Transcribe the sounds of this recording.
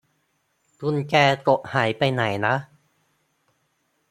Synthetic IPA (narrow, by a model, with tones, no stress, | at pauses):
t̪u˧nkɛː˧k̪o˨˩ʔ̚haː˩˦jpa˧jna˨˩˦jna˦˥ʔ